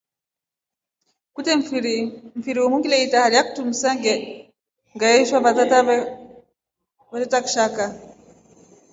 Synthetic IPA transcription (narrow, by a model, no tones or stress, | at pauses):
kutɛɾm̩fiɾiwumuŋɡilɛitahaliaku̥tumisaŋɡɛ | ŋɡaɛʃwaβatata | βatɛtaku̥ʃaka